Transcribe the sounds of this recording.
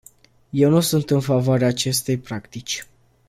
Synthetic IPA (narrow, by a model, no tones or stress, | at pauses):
je̞wnusunt̪ɨnfavoaɾeaːt͡ʃe̞st̪e̞jpɾakt̪it͡ʃʲ